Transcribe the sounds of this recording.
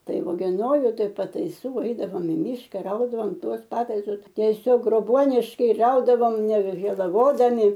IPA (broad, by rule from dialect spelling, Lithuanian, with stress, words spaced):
ˈtɐɪ oːɡʲɛˈnoːjʊ ˈtɐɪ pɐtɐɪˈsuː ˈɛɪdɐʋoːm ɪ ˈmʲiːʃkɐ ˈrɐʊdɐʋoːm ˈtuɔs ˈpɑːtɐɪsʊs ˈtʲæːsʲoːk ɡroːˈbuɔnʲɪʃkɐɪ ˈrɐʊdɐʋoːm nʲɛʋʲɛʒʲeːlˠɐˈʋoːdɐmʲɪ